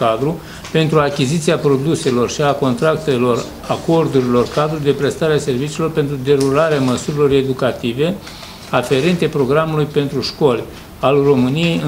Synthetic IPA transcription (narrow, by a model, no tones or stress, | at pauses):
ad̪ɾu | pe̞nt̪ɾuakʲizit̪siapɾo̞d̪use̞lo̞rʃiako̞nt̪ɾak̚t̪e̞lo̞r | ako̞rd̪uɾilo̞rkad̪ɾud̪e̞pɾe̞st̪aɾease̞rvit͡ʃiːlo̞rpe̞nt̪ɾud̪e̞ɾuɾaɾeaməsuɾilo̞re̞d̪ukat̪ive̞ | afe̞ɾe̞nt̪e̞pɾo̞ɡɾamulujpe̞nt̪ɾuʃko̞lʲ | alro̞mɨnije̞jɨ